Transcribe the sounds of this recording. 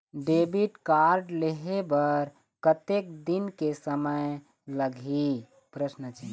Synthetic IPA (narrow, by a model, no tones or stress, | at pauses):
ɖebiʈkaɾɖleɦebəɾ | kət̪ek̚d̪inkesəməj | ləɡʱi | pɾəsnət͡ʃʰi